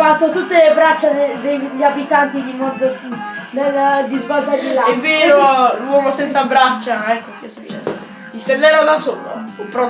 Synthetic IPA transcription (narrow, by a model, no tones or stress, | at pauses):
fat̪ːot̪ut̪ːelebɾat͡ʃːaed̪eʎːiabit̪ant̪id̪imɔd̪neld̪izvɔlt̪adilaɛvːeːɾolwɔːmosɛnsabɾat͡ʃːaɛkːokesːut͡ʃːɛsː | t̪ist̪end̪ɛɾod̪aso̰ːlo̰pɾɔ